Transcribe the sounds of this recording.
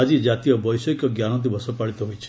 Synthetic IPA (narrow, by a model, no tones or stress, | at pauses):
ad͡ʒid͡ʒat̪ijɔbɔjsɔikɔɡjanɔt̪̬ibʱɔsɔpaɭit̪ɔɦojt͡ʃʰ